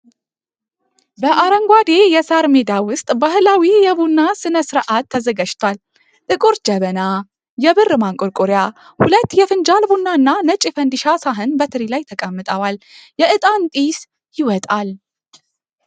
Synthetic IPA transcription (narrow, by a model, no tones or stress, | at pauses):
bəʔaɾəŋɡʷad̪e̞jɛsaɾmed̪awʊst̪ʼbahɨlawijɛbunːasɨnəsɨɾʔat̪ʰːəzəɡaʃt̪ʰwal | t̪ʼɨkʼuɾd͡ʒəβəna | jɛbɨrːɨmaŋkʼʊɾkʼuɾja | hulət̪ːjɛfɨnd͡ʒalbunːaɨnːanət͡ʃʼːifənd̪iʃasaɦɨnbət̪ʰɨɾilajt̪ʰəkʼəmːɨt̪ʼəwaljɛʔɨt̪ʼant̪ʼis | jɪwɔt̪ʼal